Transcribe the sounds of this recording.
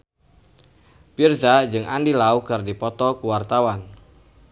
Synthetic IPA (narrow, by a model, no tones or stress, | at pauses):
pirdad͡ʒɨŋʔandilauɡardipɔt̪ɔkuwart̪awan